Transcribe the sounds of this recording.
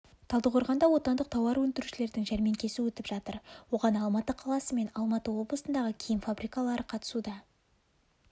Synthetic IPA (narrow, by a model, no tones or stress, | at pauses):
t̪ʰɑlˠəqʰo̞ɾʁɑnd̪ɑwo̞t̪ɑnd̪əq̚t̪ʰɑwɑɾwɵnd̪ɪɾuʃɪle̞ɾd̪ɪŋʒæɾme̞ŋkʲʰe̞sɪwɵt̪ɪpʒɑt̪əɾwo̞ʁɑnɑlˠmɑt̪əqʰɑlˠɑsəme̞nɑlˠmɑt̪əwo̞blˠəsənd̪ɑʁəkʲʰejɪnfabɾijkɑlˠɑɾəqʰɑt̪ə̥sud̪ɑ